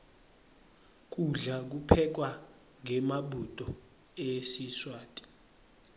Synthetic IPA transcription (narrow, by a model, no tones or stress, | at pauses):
k̬ʼuɮak̬upʰɛk̬wa | ŋʱɛmaɓʱud̥ʱʼɔ | esiswaːtʼi̥